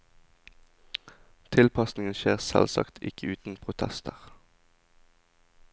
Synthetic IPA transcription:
t̪ʰɪlpɑsnɪŋənʃeːʁsɛ̰lsɑ̰kt̪ʰɪkʰəʉːt̪n̩pʰʁʊt̪ʰɛst̪ʰəʁ

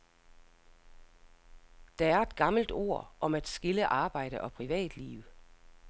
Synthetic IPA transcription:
d̥ææɐe̝d̥ɡ̥ɑ̈ml̩d̥o̝̰ɐ̰ʔɒ̽mæd̥sɡ̥iləʔɑ̈ːb̥ɑ̈ɪ̰ɾ̥əʔɒ̽pʰʁiʋɛ̰ːd̥lḭːʊ

